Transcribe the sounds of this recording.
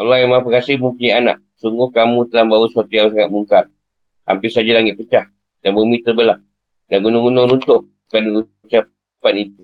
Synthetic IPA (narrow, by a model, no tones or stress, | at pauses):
alaamapəkasihməmpuɲaana̰ʔ | suŋɡʊhkamũt̪əlambawəsuat̪ujaus̬aŋat̪̚muŋkar | a̰mpɪsad͡ʒalaŋɪt̪̚pət͡ʃah | danbəmit̪əbəlah | danɡunʊŋɡunoɾunt̪ʊʔ | kaniu | t͡ʃa | panit̪u